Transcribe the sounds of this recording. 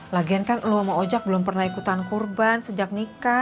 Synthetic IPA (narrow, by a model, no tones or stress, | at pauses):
laɡiankanluməŋod͡ʒak̚bəlʊmpərnaikut̪ankurbansəd͡ʒak̚nika